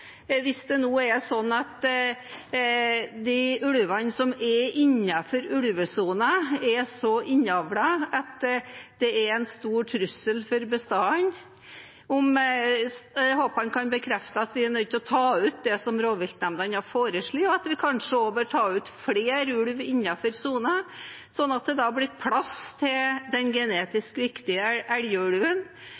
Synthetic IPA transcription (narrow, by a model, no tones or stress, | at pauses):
ʋɪsd̪ɛnoːɛsɔnːɑt̪ | d̪æʉɽʋɑnsɔmɛʔɪnːɑfɔɾʉɽʋəsuːnəɛsɔʔɪnːɑʋlɑɑt̪d̪̥ɛɛɾɛɪnst̪uːɾʈʰɾʉsːəlfɔɾbəst̪ɑːn | ɔm | hoːpɑnkʰɑnbəkʰɾɛft̪əɑt̪ʋɪænœd̪̚t̪ʰɪlɔt̪ʰɑːʉːt̪̚d̪ɛsɔmɾoːʋɪlt̪nɛmd̪ɑnɑfoːɾəʂɭiːɔɑt̪ʋɪkʰɑnʂəoːbœːɾʈʰɑːʉːt̪fɽeːɾʉɽʋɪnːɑfɔɾsuːnə | sɔnːɑt̪̚d̪ɛd̪ɑblɪɾpʰlɑst̪ʰɪld̪ɛnɡɛneːt̪ɪskʋɪkt̪ɪəʔæɽjəʉɽʋən